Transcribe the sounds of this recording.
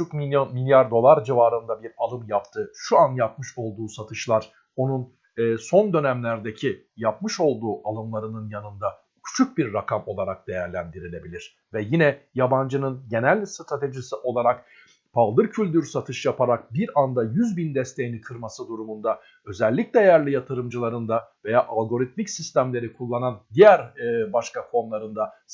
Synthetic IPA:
ukimilʲjaɾd̪o̞lˠaɾd͡ʒivaːɾɯnd̪abiɾalˠɯmjapt̪ʰɯʃuanjap̚mɯʃo̞lˠd̪uːsat̪ʰɯʃlˠaɾ̥ | o̞nunː | so̞nd̪ø̞næmlʲæɾd̪e̞cʰi | japmɯʃo̞lˠd̪uːʔalˠɯmlˠaɾɯnɯnjanɯnd̪a | cʰu̥t͡ʃʰuk̚biɾːakʰamo̞lˠaɾak̚d̪e̞jæɾlʲænd̪iɾilʲe̞bilʲiɾ̥ | vɛjinɛjaband͡ʒɯnɯnɟe̞nælʲst̪ɾat̪ʰe̞ʒisiʔo̞lˠaɾak | pʰalˠd̪ɯɾcʰylʲd̪yɾsat̪ʰɯʃjapʰaɾak̚biɾand̪ajyzbind̪ɛst̪ʰe̞jinikʰɯɾmasɯd̪uɾumund̪a | ø̞zɛlʲːiclʲɛjæɾlʲijat̪ʰɯɾɯmd͡ʒɯlˠaɾɯnd̪ave̞jaːʔalˠɡo̞ɾit̪̚micsist̪ʰæmlʲe̞ɾikʰulˠːanand̪ijæɾbaʃkakʰo̞nlˠaɾɯnd̪a

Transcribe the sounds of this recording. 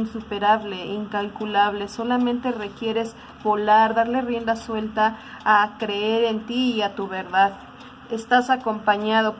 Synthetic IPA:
nsupe̞ɾaβle̞iŋkalkulaβle̞so̞lamẽnt̪e̞re̞kje̞ɾe̞z | bo̞laɾðaɾle̞rje̞nd̪aswe̞lt̪aː | kɾe̞eɾe̞nt̪iiat̪uβe̞ɾðað | est̪asakompaɲaðo

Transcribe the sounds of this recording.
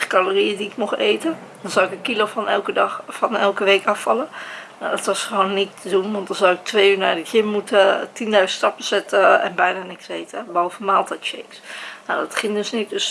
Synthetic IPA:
kaloriədiɪkmɔχḛjtə | d̥ɔnz̥awɪkəkilofɑnɛlˠkədfɑnɛlˠkəʋeːkɑfɑlənadɔtʋɑsχəʋoːnːitədunʋɑnt̚dɑnzawɪk̚tʰʋejyːɹnaːɹdəhɪmmutʰətindœɥzənstɑpəsɛtəɛ̰nbɛjnaːnɪkseːtəbolˠvəmaːlˠtɛjtʃejksnadɔtχɪŋdøsnit̚døs

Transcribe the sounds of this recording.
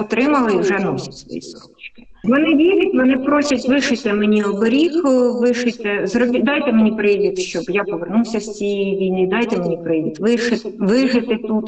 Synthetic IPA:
ɔt̪ɾɪmɐlˠɪiwʒɛnɔsʲɐ̥tʲsʋɔ̰jḭsɔɔ̰t͡ʃkɪ̥ʋɔnɪʋʲiɾʲɐtʲʋɔnɪpɾosʲʊtʲʋɪʃɪt̪ɪmenʲiɔbɔɾʲikʋɪʃɪt̪ɪzɾɔbʲid̪ɑjt̪ɛmenʲipɾɪʋʲit̪ʃt͡ʃɔbjapɔʋernuwsʲɐst͡sʲijɛjiʋʲijnɪd̪ɑjt̪ɛmenʲipɾɪʋʲit̪ʋɪʃɪt̪ʋɪʒɪt̪ɪt̪ut̪

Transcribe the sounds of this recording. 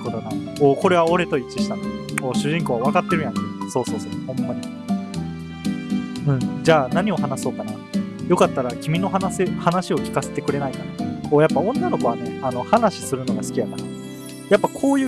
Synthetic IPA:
kot̪ona | oːko̞ɾe̞βao̞ɾe̞t̪o̞it͡ɕiɕi̥t̪anooːɕɨʑĩŋko̞ːβaβ̞akat̪ːe̞ɾɯ̟jãneso̞ːso̞ːso̞ːhõ̞mːaɲ̟i | ɯ̟̃ɴd͡ʑaːnaɲ̟io̞ɦanaso̞ːkana | jo̞kat̪ːaɾakʲimʲino̞ɦanasehanaɕio̞kʲi̥kase̞t̪e̞kɯ̟ɾe̞naikanaoːjapːaõ̞nːano̞ko̞aneano̞hanaɕi̥sɨɾɯ̟no̞ɡasɨ̥kʲijat̪ana | japːakʰo̞ːjɯ̟ː

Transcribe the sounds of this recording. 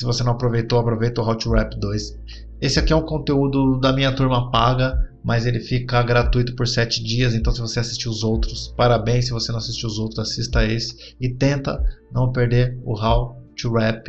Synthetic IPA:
sɪvosenɐ̃w̃apɾovejt̪owapɾovejt̪ʊɦawt͡ʃuɾɛpd̪ojs | esɪakiɛũkõnt̪eud̪ʊd̪ɐmĩɲɐt̪uɾmɐpaɡɐmɐzelɪfikɐɡɾat̪uijt̪ʊ̥poɾsɛt͡ʃɪd͡ʒiɐz̬ẽt̪ɐ̃w̃s̬ɪvoseasi̥st͡ʃiʊzowt̪ɾʊspaɾabẽj̃s̬ːɪvosenɐ̃w̃asist͡ʃiʊzowt̪ɾʊzasist̪ɐesɪ̥ | ɪt̪ẽnt̪ɐ̰nɐ̃w̃peɾd̪eɾʊɦawt͡ʃiɾɛp

